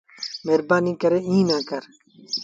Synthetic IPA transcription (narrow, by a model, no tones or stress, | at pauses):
meːɾbaːniːkɐɾeĩːnãːkɐɾ